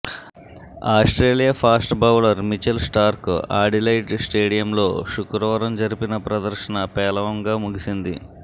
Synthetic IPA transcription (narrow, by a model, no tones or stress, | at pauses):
aːsʈɾe̞ːlijaːpʰaːsʈbɐwlɐɾmit͡ʃɐlsʈaːɾkaːɖilɐjʈsʈeːɽijɐmlo̞ːʃukɾɐʋɐɾɐmd͡ʒɐɾipinɐpɾɐd̪ɐɾʃɐnɐpɛːlɐʋɐŋɡaːmuɡisind̪ḭ